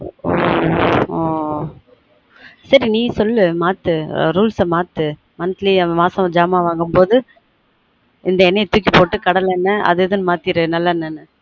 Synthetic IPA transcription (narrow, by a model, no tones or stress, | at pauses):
o | oː | sɐɾinĩːsɔlːɯmaːt̪ːɯɾuːlsɐmaːt̪ːɯ | mɐnt̪limaːsɐ̃d͡ʒaːmaːʋaːŋɡɯmpoːðɯ | ɪnd̪ɐɛnɐt̪uːk̬ːipoːʈːɯkɐɽɐlɛnːɐɐ̰ðɯðɯnmaːt̪ɪɾɯnɐlːaɛnːɐnːɯ